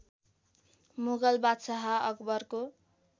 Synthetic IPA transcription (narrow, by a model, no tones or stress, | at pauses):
muɡʌlbat̪saɦʌʌkbʌrko